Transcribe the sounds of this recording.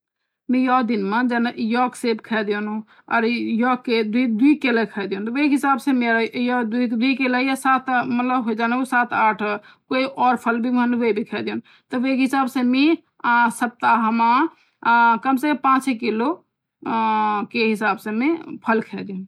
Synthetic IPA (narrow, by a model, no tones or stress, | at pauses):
mẽjɔd̪inmad͡ʒənjɔksebkʰɛd̪ijonũ | ɔ̰ɾjɔkːed̪id̪uikeləkʰəd̪ijunt̪ɔʋekɦisabsẽmeɾajɔd̪id̪ikeləjasat̪ʰmət̪ləbɦoid͡ʒanusat̪ʰaːʈʰ | koiʔɔːɾpʰəlbʱimənuʋebʱikʰɛd̪jun | t̪əʋekɦisaːbsẽmi | səp̚t̪aɦəma | kəmsekəpãt͡ʃkilo | keɦisaːbsemepʰəlkʰɛd̪iũ